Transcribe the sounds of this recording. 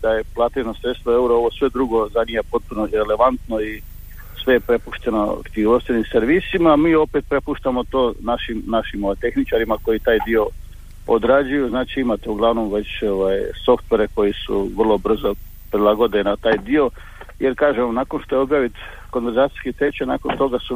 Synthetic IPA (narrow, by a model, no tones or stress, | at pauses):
d̪aje̞plˠat̪iɾnosɾe̞t̪st̪ʋoe̞uɾoo̞ʋo̞sʋe̞d̪ɾuɡo̞zanijapo̞t̪̚puno̞iɾe̞le̞ʋant̪no̞i | sʋe̞jepɾe̞puʃt̪e̞noa̰kt̪iʋoʃst̪enimseɾʋisimamiːo̞pet̪̚pɾe̞puʃt̪amo̞t̪o̞ːnaʃimnaʃimoʋajt̪e̞xnit͡ʃaɾimako̞jit̪aːjd̪io̞ | od̪ɾad͡ʑujuznaːt͡ʃiimat̪euɡlˠaʋno̞mʋe̞t͡ɕoʋajso̞ft̪ʋe̞ɾe̞ko̞jisṵʋr̩lˠo̞br̩zo | pɾid̪lˠaɡo̞d̪ilinat̪aːjd̪io̞ | jeɾkaːʒemonaːko̞nʃt̪o̞jeo̞bjaːʋit̪ | ko̞nʋeɾzaːt̪i̥skit̪ɾe̞t͡ɕena̰ko̞nt̪o̞ɡasu